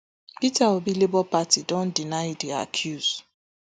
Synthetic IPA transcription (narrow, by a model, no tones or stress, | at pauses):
pitaobilebɔpatidɔ̃ndinaɪdia̰kʰjuz̥